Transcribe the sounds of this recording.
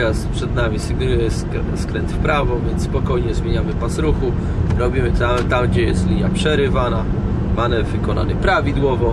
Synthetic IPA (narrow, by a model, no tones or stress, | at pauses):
ɾaspʂɛd̪namʲisɘɡnujɛsk | skɾɛnt̪fpɾavɔvʲjɛnt̪spɔkɔjɲɛzmʲjeɲamɘpasɾuxu | ɾɔbʲimɘt̪at̪amɡd͡ʑɛjɛst̪lʲiɲapʂɛɾɘvana | manɛvɘkɔna̰nɘpɾavʲid̪wɔvɔ